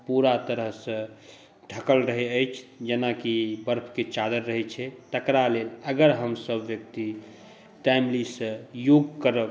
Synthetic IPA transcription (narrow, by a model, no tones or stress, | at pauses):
puɾat̪əɾəɦsə̃ | ʈʰəkəlɾəɦeəjt͡ʃʰd͡ʒənakibəɾpʰket͡ʃad̪əɾːəɦɛt͡ʃʰɛt̪əkɾaleləɡəɾɦəmsəbʋjək̚t̪i | ʈajmlisə̃joɡkəɾəb